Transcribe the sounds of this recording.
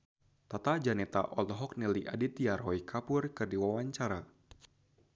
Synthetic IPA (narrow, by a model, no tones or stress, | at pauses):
t̪at̪ad͡ʒanɛt̪a̰ʔɔlɦɔk̚nɛliʔadit̪ijarɦɔikʰapʊrkɨrdiwawaɲt͡ʃaɾa